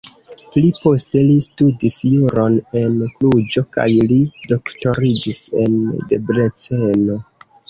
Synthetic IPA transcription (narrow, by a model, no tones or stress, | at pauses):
plipo̞ste̞listudisjuɾo̞ne̞nklud͡ʒo̞ka̰jlido̞kto̞ɾid͡ʒise̞̰ndebɾet͡seno̞